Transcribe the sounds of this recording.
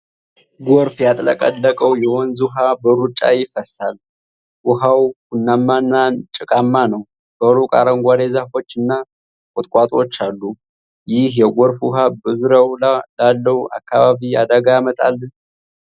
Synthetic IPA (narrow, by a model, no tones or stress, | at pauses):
ɡoɾfjat̪ʼləkʼə̰dːəkʼəwjɛhonzuɦabəɾut͡ʃʼːa̰jɪfəsal | wʊɦawkunːamːanːant͡ʃʼɨkʼamːanəw | b̥əɾukʼa̰ɾəŋɡʷalezafo̞t͡ʃːɨnːa | kʼot̪ʼkʼat̪ʼo̞t͡ʃːalːu | jɪhjɛɡʷoɾfʊhabɨzɾəwlalːəhua̰kːaβaβiad̪əɡajamət̪ʼalːn